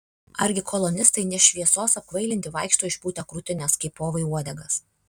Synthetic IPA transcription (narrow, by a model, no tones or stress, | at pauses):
ɐɾʲɡʲɪkʰɔlˠɔnʲɪst̪ɐɪnʲɛʃʲʋʲiɛsoːsɐp̚kʋɐɪlʲɪnʲt̪ʲɪʋɐɪkʃt̪oːɪʃpuːt̪ʲɛkɾʊt̪ʲɪnʲɛskɐɪpoːʋɐɪuɔd̪ʲɛɡɐs